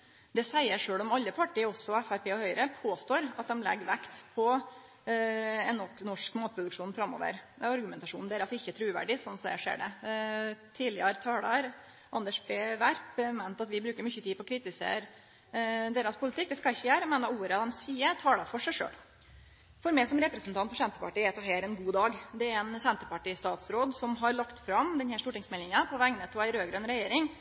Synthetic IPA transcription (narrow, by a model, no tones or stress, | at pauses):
d̪ɛsæɪəʂøːɽɔmɑlːəpʰɑʈːɪɔsɔɛfæɾpeːɔhœʏəɾəpʰoːst̪oːɾɑt̪̚d̪ɛmlɛ̰ɡːʋækt̪pʰɔ | ɛnːɔknɔʂkmɑːt̪pʰɾʊd̪ʉkʂuːnfɾɑmːo̰ːʋə̰ɾ | ɑɾɡʉmɛnt̪ɑʂuːnd̪æɾɑsɔɪçːət̪ʰɾʉːʋæ̰ɖɪsɔnːsɔd̪æʂḛːɖɛ̰ | t̪ʰiːlɪəɾt̪ʰɑːlɑɾ | ʔɑnd̪əʂbeːʋæɾpmæɪnt̪ɑt̪ʋɪbɾʉːkəɾmʏçət̪ʰiːpɔkʰɾiːt̪ɪsḛːɾ | d̪eːɾɑspʰʊlɪt̪ʰɪk̚d̪ɛskɑlɪçːəjæːɾəmɛnɑuːɾəɑd̪ɛmsiːət̪ʰɑːlɑfɔʂæɪʂø̰ːl | fɔɾmɛɪsɔmɾɛpɾəsnt̪ɑnt̪pʰɔsɛnt̪əpɑʈiːæt̪ʰɑɦeːɾɛnɡuːd̪ɑːɡd̪ɛæɾɛnsɛnt̪əpɑʈiːst̪ɑːt̪sɾoːd̪sɔmɦɑɾɭɑkt̪fɾɑmd̪ɛnhæʂtuːʈɪŋsmɛlɪŋəpʰɔʋæŋnət̪ʰɔæɪɾøːɡɾəɛnɾɛjeːɾɪŋ